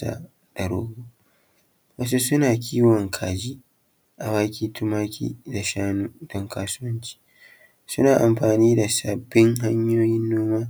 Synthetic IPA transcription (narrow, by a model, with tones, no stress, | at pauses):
a̰˨ | d̥a˨ɾo̰ː˦ɡu˦ | wɐ˦s̬u˦sʊ˦naː˨kʲiː˦wɔ˨ŋkʰaː˨d͡ʒi˦ | ʔa˨waː˦kʲiː˦tʰʊ˦maː˦kʲʰḭ˦da˨ʃaː˦nu˦d̥ɔ˦ŋkʰaː˦sʊ˦wɐ˦nt͡ʃi̥ː˦ | sʊ˦naː˨ʔa˨mɸaː˨niː˦da˨sa˨bːɪ˦ŋɦa˦ɲjoː˦jɪ˦nːoː˦maː˦